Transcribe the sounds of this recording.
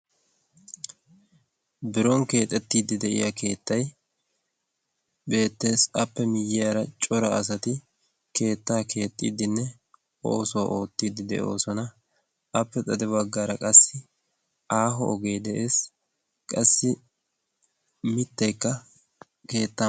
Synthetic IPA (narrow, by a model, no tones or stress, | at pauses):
bɪɾɔŋke̞ːt̪ʼːɛt̪ːiːd̪ɪd̪ɛʔɪ̰jɐke̞ːt̪ːɐj | be̞ːt̪ːe̞ːsɐpːɛmɪjːɪjaːɾɐt͡ʃʼɔɾɐɐs̬ɐt̪ɪ | kʰe̞ːt̪ːaːkʰe̞ːt̪ʼːḭːd̪ɪnːɛ | ʔo̞ːsɔwaʔo̞ːt̪ːiːd̪ɪd̪ɛ̰ʔo̞̰ːsɔnɐ | ɐpːɛt̪ʼɐd̪ɛbɐɡːaːɾɐkʼɐsːɪ | aːɦɔɔɡe̞ːd̪ɛʔe̞ːs | kʼɐsːɪ | mɪt̪ːɐjkːɐ | ke̞ːt̪ːa